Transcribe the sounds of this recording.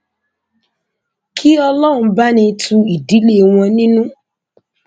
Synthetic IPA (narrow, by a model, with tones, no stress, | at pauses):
kʰi˦ɔ˧lɔ˦ɾ̃ũ˧ba˦nĩ˧tʰu˧i˨di˨˦le˦˨w̃ɔ̃˧nĩ˦nũ˦